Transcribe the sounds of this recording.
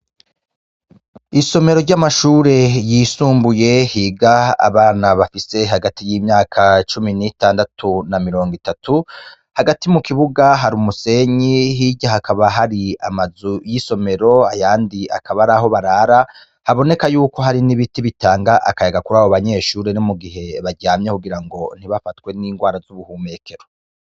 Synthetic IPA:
iso̞me̞ɾo̞ɾɟamaʃuːɾe̞jisuːmbuje̞hiːɡaa̰βaːnaβafise̞ɦaɡatijiːmɲaːkʰat͡ʃuminitaːndatʰunamiɾo̞ːŋɡitatʰu | haɡatimukiβuɡaɦaɾuːmuse̞ɲiɦiɟaɦakʰaβaɦaɾiamazujiso̞me̞ɾo̞ajaːndia̰kʰaβaɾaːɦo̞βaɾaːɾa | haβo̞ne̞kajuːko̞ɦaɾiniβitiβitaːŋɡaʔakajaɡakuɾaːβoβaɲe̞ːʃuːɾenomuɡiɦe̞βaɾɟaːmɲekuɡiɾaŋɡo̞n̥iβafatkwe̞niːŋɡwaːɾazuβuhuːme̞kʰe̞ɾo

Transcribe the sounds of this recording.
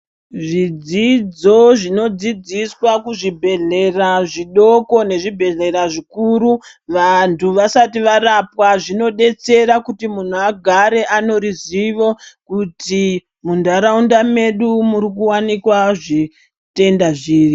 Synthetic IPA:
ʐid͡zid͡zo̞ʐino̞d͡zid͡ziswakuʐibʱe̞ɮe̞raʐiɗo̞ko̞ne̞ʐibʱe̞ɮe̞ɾaʐikuɾu | ʋantʰuʋasatiʋaɾapwaʐino̞ɗe̞t͡se̞ɾakutimun̤uaɡʱaɾe̞ʔano̞riziʋo̞kuti | mundaɾaundame̞ɗumurikuwanikwaʐi | te̞ndaʐiːri

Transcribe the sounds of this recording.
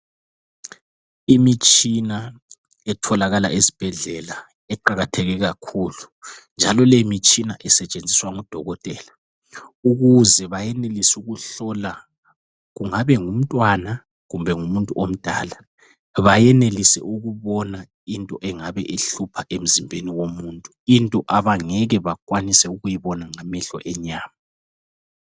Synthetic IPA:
imit͡ʃʼina | ɛtʰɔlaɣala̰ʔezi̥b̥ʱɛɮɛla | ɛǃaɣatʰɛɣɛɣakʰuːlund͡ʒʱalɔlemit͡ʃʼinaʔɛsɛt͡ʃʼend͡zʱiswaŋud̥ʱɔɣɔtʼɛːla | uɣuzɛβajɛnelisuɣuɬɔla | ɣuŋaβɛŋum̩tʼwana | ɣumbʱɛŋumuntʼuʔom̩d̥ʱa̰ːla | βajɛnelisɛ̰ʔuɣuβɔna | intʼɔʔɛŋaβɛʔeɬupʰaʔem̩zimbʱeniwomuːntʼuintʼɔʔaβaŋɛɣɛβakʼwanisɛuɣujiβɔnaŋamɛɬɔ̰ʔɛɲaːma

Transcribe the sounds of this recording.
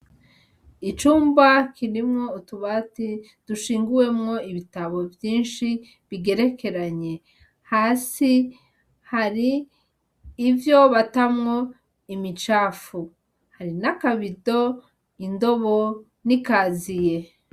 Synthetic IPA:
it͡ʃuːmbakiɾimŋo̞utuβati | d̥uʃiːŋɡuwe̞mŋo̞iβitaβo̞vjiːnʃi | βiɡe̞ɾe̞ke̞ɾaɲe̞ | haːsi | haɾiː | vjo̞βatamŋo̞ | imit͡ʃaːfu | haɾinakaβido̞ | indo̞βo | nikaːzije̞

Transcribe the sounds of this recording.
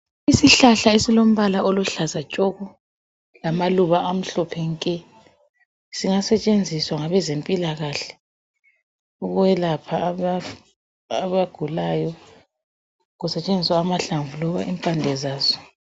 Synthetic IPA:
isiɬaɬaesilom̩βalaʔoluɬazat͡ʃʼɔɣɔ | lamaluβaʔam̩ɬɔpʰɛŋkʼɛ | siŋasɛt͡ʃʼend͡zʱiswaŋaβɛzempʼilaɣaɬɛ̥ | uɣuwɛlapʰaaː | βaɡ̥ʱulajɔ | ɣusɛt͡ʃʼend͡zʱiswaːmaɬaɱvulɔβa̰ʔimpʼandʱɛzaːz̥ɔ

